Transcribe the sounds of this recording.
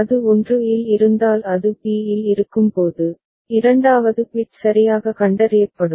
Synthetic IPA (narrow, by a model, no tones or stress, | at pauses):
ɐðɯɔndrɯɪlɪɾɯnd̪aːlɐðɯpiːjɪlɪɾɯkːɯmpoːðɯ | ɪɾɐɳɖaːʋɐðɯpiːʈsɐɾɪjaːɣɐkɐɳɖɐɾɪjɐpːɐɽɯm